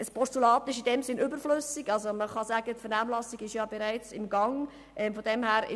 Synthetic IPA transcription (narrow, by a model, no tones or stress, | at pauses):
əspʰɔstulɑːt̪ɪʃɪdɛmzɪnʔʏbəɾflʏsɪɡɑlzoməχɑzæːɡ̥ətfənaːmlɑsɪɡɪʃjɑːb̥eɾaɪt͡sɪmɡɑŋ | ʔɛmfɔd̥ɛmhæːɾɪ̰